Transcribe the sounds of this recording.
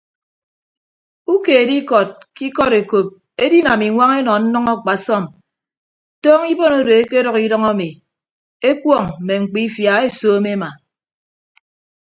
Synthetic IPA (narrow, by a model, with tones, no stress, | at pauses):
u˦keː˨e˨di˦kɔ˨t̚ki˦kɔ˦ɾe˨ko˨p̚ | e˦di˦na˨mi˨ŋʷa˦ŋe˦nɔ˨n̩˦nɔ˦ŋɔ˦˨k͡pa˨sɔ˦˨m | tɔː˦ŋi˦bo˦no˦do˨e˦ke˦ɾɔ˦ki˦dɔ˦ŋa˦mi˨ | e˦kwɔ˦˨ŋ̩˨me˨ŋ͡m̩˨k͡pi˦fja˨˦e˦soː˦me˦ma˨